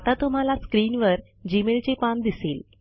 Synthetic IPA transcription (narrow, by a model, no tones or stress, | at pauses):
at̪at̪um̤alaskɾiːnʋəɾ | d͡ʑimelt͡ɕepand̪iseːl